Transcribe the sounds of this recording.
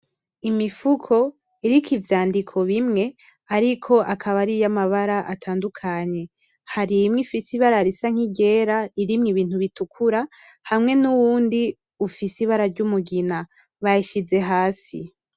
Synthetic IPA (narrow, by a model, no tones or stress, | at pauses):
imifukʰo̞ | iɾikivjaːndikʰo̞βimŋe̞ | aɾikʰo̞ʔakʰaβaɾijamaβaɾaʔatʰaːndukʰaɲe̞ | haɾimŋifisiβaɾaɾisaŋ̥iɟe̞ːɾaiɾimŋiβiːn̥huβitukʰuɾa | hamŋe̞nuwuːndi | ufisiβaɾaɾɟumuɡina | βajiʃize̞ɦaːsḭ